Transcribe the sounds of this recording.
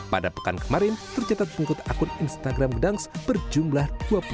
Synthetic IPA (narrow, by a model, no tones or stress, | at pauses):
padapə̥kankəmaɾɪnt̪ərt͡ʃat̪at̪̚pəŋikʊt̪akʊninst̪aɡɾamɡədaŋsb̥ərd͡ʒumlahd̥uapu